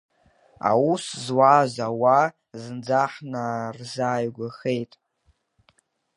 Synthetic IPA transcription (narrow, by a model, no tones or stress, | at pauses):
a̰wuszwazawa | zɨnd͡zaħnarzaːjɡʷaχe̞jtʼ